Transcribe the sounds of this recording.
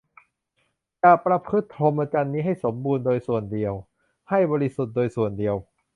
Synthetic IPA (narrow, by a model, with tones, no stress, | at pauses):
t͡ɕa˨˩pɾa˧pʰɯ˦˥t̪ʰːɾo˧m˧˥ka˧nːiː˦˥ɦa˥˩jso˩˦mbuː˧ndoː˧jsu˨˩əndi˧əw | ha˥˩jbɔː˧ɾi˦su˨˩t̪̚doː˧jsu˨˩əndi˧əw